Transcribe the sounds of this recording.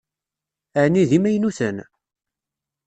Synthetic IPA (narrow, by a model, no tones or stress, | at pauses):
æʕniðimæjnuθən